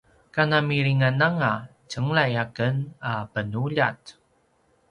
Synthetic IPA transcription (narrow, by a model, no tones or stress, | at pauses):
kanamiɾiŋanaŋa | t͡ʃəŋlajakənapənuʎa̰t